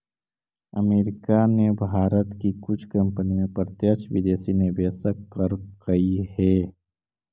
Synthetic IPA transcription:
əmeːɾɪkanebʱaːɾət̪kikʊt͡ʃʰkɐ̃mpənimẽpɾət̪jət͡ʃʰʋɪd̪eːsinebɛːsəkəɾkɐihɛː

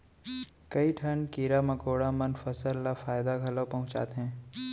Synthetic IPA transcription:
kɐiʈʰɐnkiːɾamɐkoːɽamɐnfɐsəlːafaːjd̪aɡʱɐlopɐɦʊ̃t͡ʃa̰ːt̪eɦɛ̃ː

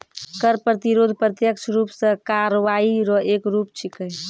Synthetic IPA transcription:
kəɾpɾət̪iɾod̪ʱpɾət̪jəkt͡ʃʰɾupsə̃kaɾəʋaiɾɔekɾup̚t͡ʃʰikəj

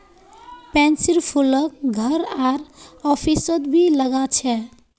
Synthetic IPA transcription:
pɛ̃nsiɾpʰulək̚ɡʱəɾaɾɔpʰisət̪bʱiləɡat͡ʃʰɛ

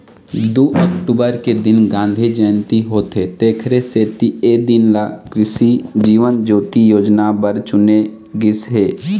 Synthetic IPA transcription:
d̪uʔəkʈubəɾked̪ɪnɡãːnd̪ʱid͡ʒəːnt̪iɦoːt̪ɦet̪eːkʰɾeseːt̪ieːd̪ɪnlakɾɪsid͡ʒiːʋənd͡ʒoːt̪ijoːd͡ʒnabəɾt͡ʃʊne | ɡɪsɦeː

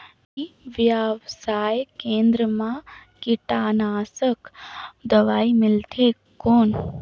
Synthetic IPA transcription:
iʋjaʋsaːjkẽːnd̪ɾəmãkɪʈaːnaːsəkd̪əʋaːimɪlt̪ʰe | koːn

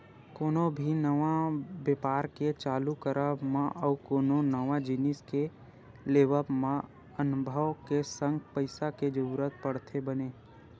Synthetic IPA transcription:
koːnobʱinəʋabepaːɾket͡ʃaːlukəɾəmãʔɔːkoːnonəʋad͡ʒɪnɪske | leːʋəpmã | ənʊbʱəʋkesə̃ŋɡpəɪsaked͡ʒəɾuɾət̪̚pəɽt̪ʰebəneː

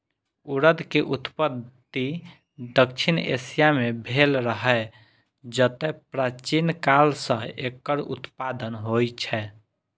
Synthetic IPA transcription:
uɾəd̪keʔut̪pəd̪ | i | d̪əkt͡ʃʰinḛsijamebʱelɾəɦɛ | d͡ʒət̪ɛpɾat͡ʃinkalsə̃ekːəɾṵt̪pad̪ənɦojt͡ʃʰɛ

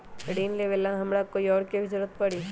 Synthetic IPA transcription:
ɽiːnleʋeːlãɦɐmɾakoːiɔːɾkebʱizʊɾət̪̚pɐɽiː

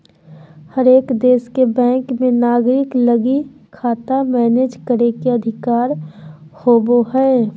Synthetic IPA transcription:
həɾeːkd̪eːskebɛ̃ːŋkmẽnaːɡɾɪkləɡi | kʰaːt̪amɛːneːd͡ʒkəɾekeɐd̪ʱɪkaːɾ | hoːboɦɛː

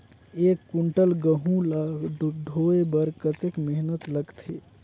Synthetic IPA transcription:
ekːuɳʈəlɡəɦũl | ɖʱoebəɾkət̪ekmeɦnət̪ləɡt̪ʰe

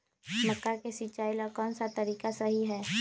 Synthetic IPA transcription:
məkːakesit͡ʃaːilɔkɔːnsat̪ɐɾiːkasɐɦiɦɛː

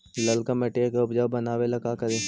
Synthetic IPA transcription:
lɐlkamɛʈekeʊpd͡ʒabɐnaːʋelɐkakɐɾeː

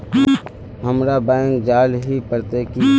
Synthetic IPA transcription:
ɦəmɾabɛ̃ːŋkd͡ʒaːlɦipəɾt̪eki

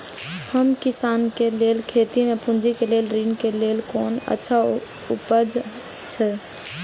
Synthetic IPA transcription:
həmkɪsaːnkeleːlkʰeːt̪imẽpʊ̃nd͡ʒikeleːlɾiːnkeleːlkɔːnə̰tːʃʰa | ʊ̰pəd͡ʒ | t͡ʃʰɛ

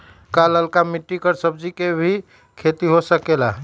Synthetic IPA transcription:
kaləlkamiʈːikəɾsəb̚d͡ʒikebʱi | kʰet̪iɦosəkela

